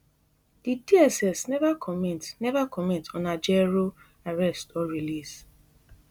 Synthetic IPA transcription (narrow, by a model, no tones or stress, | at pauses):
d̥idiɛsɛsnɛvakʰɔmɛ̃ntnɛvakɔmɛ̃ntɔ̃nad͡ʒɛɹo | aɹɛstɔɹilis